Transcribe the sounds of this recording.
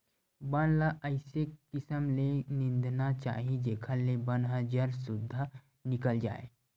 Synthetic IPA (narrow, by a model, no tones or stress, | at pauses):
bənlaʔəɪsekɪsəmlenɪ̃nd̪ʱnat͡ʃa̰ːɦid͡ʒeːkʰəlːebənɦəd͡ʒəɾsʊd̪ʱːa | nɪkəld͡ʒa̰ːḛ